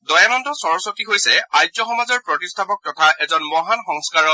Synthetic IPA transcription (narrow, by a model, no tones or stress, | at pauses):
dɔjanɔndɔsɔɹɔsotiɦojsɛajzɔxɔmazɔɹpɹɔtistʰapɔk̚tɔtʰaʔɛzɔnmɔɦanxɔŋskaɹɔ